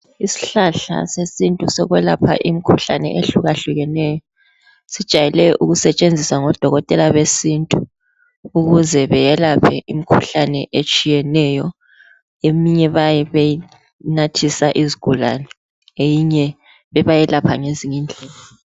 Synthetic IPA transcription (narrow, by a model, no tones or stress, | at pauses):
isi̥ɬaɬa̰sesintʼusɔɣwɛlapʰa̰ʔimikʰuɬa̰nɛ̰ʔeɬuɣaɬuɣɛnɛːjɔ | sid̥ʒ̥ʱajɛlɛʔuɣusɛt͡ʃʼend͡zʱisaŋɔd̥ʱɔɣɔtʼɛlaβesintʼu | uɣuzɛβɛjɛlapʰɛʔimikʰuɬanɛʔet͡ʃʼijɛnɛjɔ | emiɲɛβajɛβeji | natʰisaʔiziɡ̥ʱula̰nɛ | ejiɲɛ | βɛβajɛlapʰaŋeziŋind͡ɮʱɛːla